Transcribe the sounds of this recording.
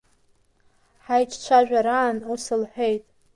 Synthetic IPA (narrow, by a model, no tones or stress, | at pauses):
ħajt͡ʃʰʼt͡ʃʷʰaʒᶣʷaɾaːnusɨlħʷejtʼ